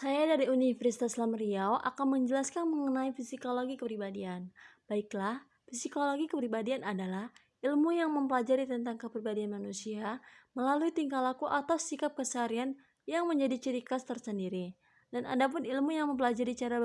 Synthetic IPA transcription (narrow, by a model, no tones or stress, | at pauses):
sajadaɾiunifərsi̥t̪aslamriawʔa̰kanməɲd͡ʒəlaskanməŋənaifisikoloɡikəpɾibadianb̥aiklah | fisikoloɡikəpɾibadianadalah | ilmujaŋməmpəlad͡ʒaɾit̪ənt̪aŋkəpɾibadianmanusiaməlaluit̪iŋkalakuʔat̪awsikap̚kəsaɾian | jaŋməɲd͡ʒadit͡ʃəɾikast̪ərsəndiɾi | dana̰dap̬ʊnilmujaŋməmp̬əlad͡ʒaɾit͡ʃaɾa